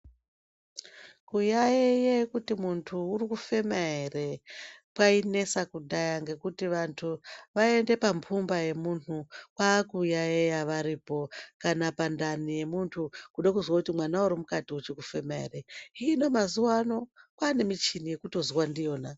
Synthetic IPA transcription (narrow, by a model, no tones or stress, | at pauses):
kujajejekutimuntʰuːrikufe̞maɦere̞pwaine̞sakuɗajaŋɡe̞kutiʋantʰuʋae̞nde̞pampʰumbaje̞munnukwaːkujajejaʋaɾiːpo̞kanapandanije̞muntʰukuɗakuzwakutimwanauɾimukatiut͡ʃikufe̞maḛreiːno̞mazuwano̞kwaːne̞mit͡ʃinije̞kuto̞ziwandijo̞ːna